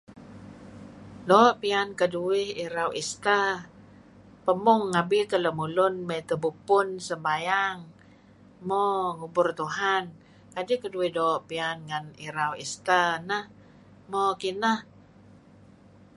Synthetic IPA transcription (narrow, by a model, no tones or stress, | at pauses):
doʔpiankəduɪhiɾawʔist̪a | pəmʊŋːabit̪ələmulʊnmət̪əbupʊnsəmbajaŋ | mɔŋubʊrt̪uɦan | kadɪhkəduɪhdoʔpianŋaniɾawḭst̪anəh | mɔkinəh